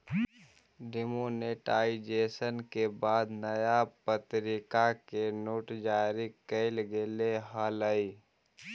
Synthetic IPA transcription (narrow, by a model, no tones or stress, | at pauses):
ɖimoneʈaːid͡ʒeːsənkebaːd̪nəjapət̪ɾɪkakenoːʈd͡ʒaːɾikəɪlɡeleɦələi